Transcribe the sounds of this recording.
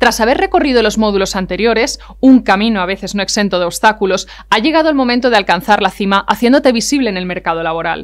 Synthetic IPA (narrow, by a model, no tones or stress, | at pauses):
t̪ɾasaβ̞e̞re̞ko̞riðolo̞zmo̞ðulo̞sant̪e̞ɾjo̞ɾe̞s | uŋkamĩnoaβ̞e̞θe̞zno̞e̞kse̞nt̪o̞ðeo̞βst̪akulo̞s | aʝe̞ɣ̞að̞olmo̞mẽnt̪o̞ð̞ealkan̟θaɾlaθimaʔaθje̞nd̪o̞t̪e̞β̞isiβle̞ːne̞lme̞ɾkað̞o̞laβo̞ɾa̰l